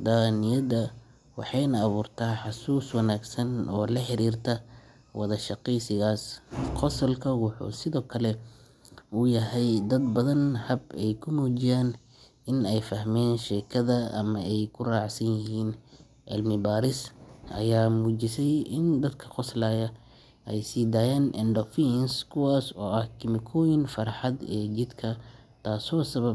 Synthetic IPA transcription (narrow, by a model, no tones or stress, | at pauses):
d̪aːnɪjɐd̪ɐ | wɑ̰ħɑjnɐːβuːrt̪ʰaːħɑsuːswɐnaːɡsɐnɔːlɐħɪɾiːrt̪ʰɐ | wɑðɐʃɑqɛjsɪɣaːsqɔsɐlkʰɐwɑħṵːsɪðɔːkʰɐlɛ | ʊjɐɦɛjd̪ɐd̪̚bɐðɐnhɐbɛjkʰʊmuːt͡ʃɪjaːn | ɪnɛjfɐhmɛːnʃɛːkʰɐðɐɐ̰mɐɛjkʰʊraːʕsɐnjɪɦiːn | ʔɪ̰lmɪbaːɾɪsʔɐ̰jaːmuːt͡ʃɪsɛjɪnd̪ɐd̪kʰɐ̥qɔslaːjɐ | ʔɛjsiːd̪aːjaːnʔɛ̰nɖɔfinskʰʊwaːsɔːʔɐhkʰɪmɪkʰɔːjɪnfɐrħɑd̪ɛ̰ːt͡ʃɪd̪kʰɐ | t̪ʰaːsɔːsɐβɐb